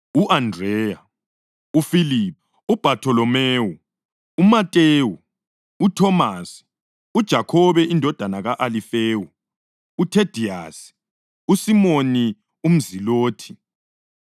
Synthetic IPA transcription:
uʔandrɛːja | ufilip | ub̥ʱatʰɔlɔmeːwu | umatʼeːwu | utʰɔmasi̥ | ud̥ʒ̥ʱakʰɔβɛʔindʱɔd̥ʱanaɣaʔalifeːwu | utʰed̥ʱiasi̥ | usimoni | um̩ziloːtʰi̥

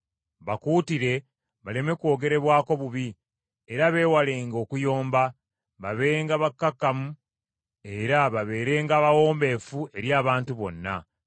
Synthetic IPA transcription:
βakuːtiɾe̞ | βale̞me̞kwo̞ːɡe̞ɾe̞βwaːko̞βuβi | eɾaβe̞ːwaleːŋɡo̞ːkujo̞ːmba | βaβeɾeːŋɡaβakːakːamu | e̞ɾaβaβe̞ːɾe̞ːŋɡaːβawo̞ːmbe̞ːfue̞ɾjaːβaːntuβo̞̰nːa̰

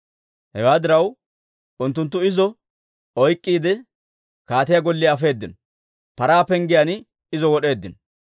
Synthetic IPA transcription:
hɛwaːd̪ɪɾɐw | ʊnt̪ːʊnt̪̬ːʊɪzɔ | ɔjkʼːiːd̪ɛ | kaːt̪ɪjaɡɔlːɪːfe̞ːd̪ːɪnɔ | pɐɾaːpɛŋɡɪjan | ɪzɔwɔɗe̞ːd̪ːɪnɔ

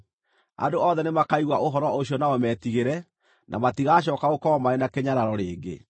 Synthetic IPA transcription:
a̰ndoɔðɛnemakaiɣwaʔoɦɔɾɔoɕjɔnaomɛːtiɣeɾɛ | nʔa̰matiɣaːɕ̬ɔːkaɣokɔmaɾenakeɲaɾaɾɔɾeːŋɡḛ

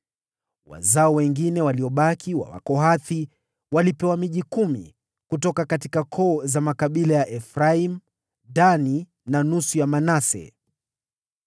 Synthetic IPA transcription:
wa̰zaɔwɛŋɡinɛwaliɔɓakʰiwa̰wa̰kɔɦaθi | walipɛwamiʄikumḭ | kutɔkakatikakʰɔːzamakaɓilajaʔɛfɾaim | dani | nanusujamanasɛ̰

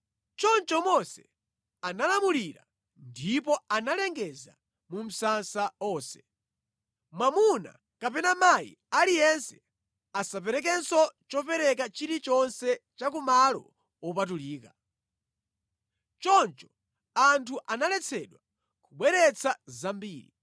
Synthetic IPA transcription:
t͡ʃɔnt͡ʃɔmɔsɛ | analamuliɾa̰ | ndipɔanalɛŋɡɛza̰ | mum̩sansaɔːsɛ̥ | mwamuna̰ | kapɛnamaḭ | alijɛnsɛ | asap̬ɛɾɛk̬ɛnsɔt͡ʃɔpɛɾɛk̬at͡ʃiɾit͡ʃɔnsɛt͡ʃakumalɔ̰ | wɔp̬at̬uliːka | t͡ʃɔnt͡ʃɔ̥ | antʰuʔanalɛt͡sʰɛɗwa | kuɓwɛɾɛt͡sʰazambiːɾḭ

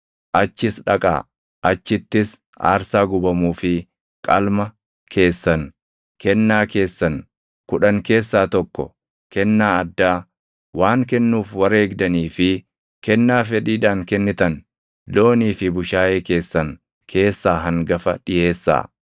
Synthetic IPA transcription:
ʔɐt͡ʃːɪsᶑɐkʼa̰ː | ʔɐt͡ʃːɪt̪ːɪs | a̰ːɾsaːɡʊbɐmuːfɪ | kʼɐlmɐ | kʰe̞ːsːɐn | kɛnːaːke̞ːsːɐn | kʊᶑɐŋke̞ːsːaːt̪ɔkːɔ̰ | kɛnːaːɐd̪ːaː | waːŋkɛnːuːfwɐɾe̞ːɡd̪ɐniːfɪ | kɛnːaːfɛᶑiːᶑaːŋkɛnːɪt̪ɐn | loːniːfɪbʊʃaːʔe̞ːke̞ːsːɐŋ | kʰe̞ːsːaːɦɐŋɡɐfɐᶑɪje̞ːsːa̰ː

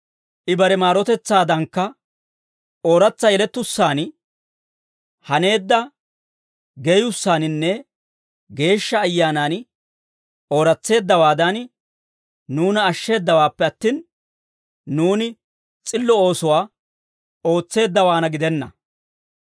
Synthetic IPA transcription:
ʔɪbɐɾɛmaːɾɔt̪ɛt͡sːaːd̪ɐŋkːɐ | ʔo̞ːɾɐt͡sːɐjɛlɛt̪ːʊsːaːn | hɐne̞ːd̪ːɐ | ɡejʊsːaːnɪnːɛ | ɡe̞ːʃːɐːjːaːnaːn | o̞ːɾɐt͡sːe̞ːd̪ːɐwaːd̪ɐn | nuːnɐːʃːe̞ːd̪ːɐwaːpːɛɐt̪ːiːn | nuːnɪ | t͡sʼɪlːɔo̞ːsʊwaː | o̞ːt͡sːe̞ːd̪ːɐwaːnɐɡɪd̪ɛnːɐ̰

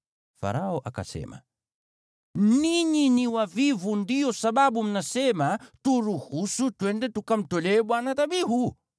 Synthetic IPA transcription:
fa̰ɾaoʔaka̰sḛma̰ | niɲiniwavivundiɔsaɓaɓuminasematuɾuhusutwɛɳdetukam̩toleɓwanat̪abiɦu

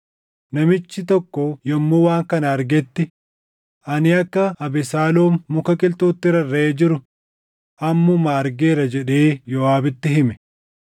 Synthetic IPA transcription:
nɐmɪt͡ʃːɪt̪ɔkːɔjɛmːoːwaːŋkɐnɐɐɾɡɛt̪ːɪ | ʔɐnɪɐkːɐɐbɪsaːloːmːʊkɐkʼɪlt̪oːt̪ːɪɾɐrːeeːd͡ʒɪɾʊ | ʔɐmːʊmaɐɾɡeːɾɐd͡ʒɛᶑeːjɔaːbɪt̪ːɪɦɪmɛ̥

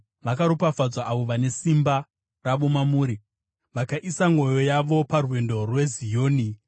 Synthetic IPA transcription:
ʋakaɾupafad͡zwaʔaʋo̞ʋane̞simba | raʋo̞mamuːɾi | ʋakaʔisaŋo̞jo̞jaʋo̞parwe̞ndo̞rwe̞zijo̞ːni

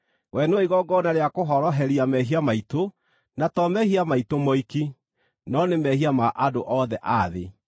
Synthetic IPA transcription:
wʔɛnoiɣɔɡɔnaɾeakoɦɔɾɔɦɛɾiamɛɦiamaito | natɔmɛhiamaitomɔiki | nɔnemɛhiamaʔadoʔɔðɛʔaðḛ

